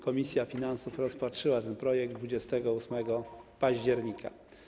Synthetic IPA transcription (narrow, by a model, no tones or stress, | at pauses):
kɔmʲisʲjafʲinansufɾɔspatʂɘwat̪ɛnpɾɔjɛɡ̚d̪vud͡ʑɛst̪ɛɡɔusmɛɡɔpaʑd͡ʑɛɾɲikʰa̰